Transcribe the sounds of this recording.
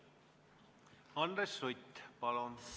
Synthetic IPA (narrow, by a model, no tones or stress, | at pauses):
ɑnd̪resːujt̪pɑlon